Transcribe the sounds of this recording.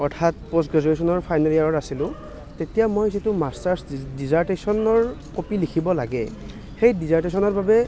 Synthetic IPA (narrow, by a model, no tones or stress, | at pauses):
ɔɹtʰatpos̬ɡɛzɔɹesɔnɔɹpʰajnɛlijaɹɔɹasilʊ̃ | tetijamojzitʊmastaɹsdizaɹtesɔnɔɹkopilikʰibɔla̰ɡɛ̰ | xejdizaɹtesɔnɔɹbabɛ